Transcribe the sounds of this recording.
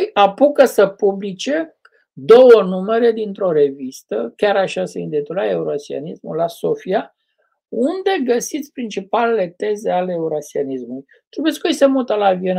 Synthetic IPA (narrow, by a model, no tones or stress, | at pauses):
japukəsəpublit͡ʃe | d̪o̞wənume̞ɾe̞d̪int̪ɾo̞ɾe̞vist̪əkʲaɾaʃaseind̪et̪ulaeuɾoasia̰nismṵlaso̞fia | und̪e̞ɡəsit̪sʲpɾint͡ʃipalele̞t̪e̞ze̞aleːuɾasianismuluj | t̪ubeskojest̪emult̪əlavien